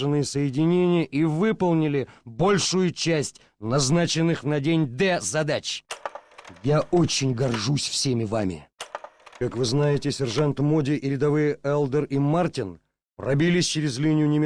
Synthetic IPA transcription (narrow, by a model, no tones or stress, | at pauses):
ɨnɨjəsəjɪdʲɪnʲenʲɪjəʔivɨpəlˠnʲɪlʲɪbo̞lʲʂʊjʊt͡ɕæsʲtʲ | nɐznat͡ɕɪnːɨxnɐdʲenʲd̪ɛzɐd̪at͡ɕ | jaot͡ɕːɪnʲɡɐrʐusʲfsʲemʲɪvamʲɪ̰ | kakvɨznajɪtʲɪsʲɪrʐant̪modʲɪʔɪɾʲɪd̪ɐvɨjəɛlˠd̪ərimartʲɪn | prʔɐbʲilʲɪsʲt͡ɕɪɾʲɪzlʲinʲɪjʊnʲɪmʲ